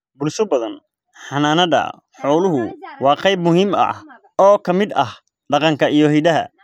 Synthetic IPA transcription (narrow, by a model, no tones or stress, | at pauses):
bʊlsʊbɐðɐn | ħɑnaːnɐðɐ̰ | ħɔːwlʊɦʊwɑːqɑjbmʊɦimɐ̰ | ɔːkʰɐmɪd̪ɐ̰h | ɖɑqɑŋkʰɐijɞɦɪd̪ɐɦɐ̰